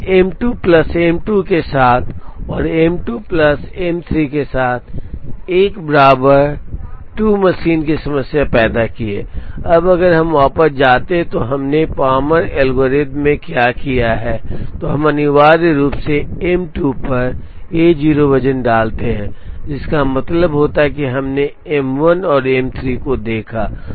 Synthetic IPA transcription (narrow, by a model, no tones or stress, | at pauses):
eːmʈuːplɐsemʈukesaːt̪ʰɔːɾemʈuːpləsemt̪ʰɾikesaːt̪ʰeːkbəɾaːbəɾʈuːməʃiːnkisɐməsjapɛːd̪akiḛːɐbɐɡəɾɦɐmʋaːpət̪̚d͡ʒaːt̪eɦɛ̃t̪oɦɐmnepaːməɾɛːlɡəɾeːd̪mẽkjaːkijaɦɛːt̪oɦɐmɐnɪʋaːɾɾuːpseɛmʈuːpɐɾ | eːd͡ʒiːɾobɐd͡ʒənɖaːlt̪eɦɛ̃ːd͡ʒɪskamɐt̪ləbɦoːt̪aɦɛkiɦɐmne | ɛmʋənɔːɾemt̪ʰɾikod̪eːkʰaː